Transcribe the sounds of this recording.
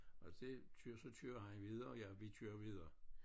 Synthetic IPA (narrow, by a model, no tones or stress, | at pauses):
ʔɒ̽d̥e̝t͡sʰyɐsɒ̽t͡sʰyːɐɦænʋið̞ˠɐjaʋit͡sʰyːɐʋiðˠɐː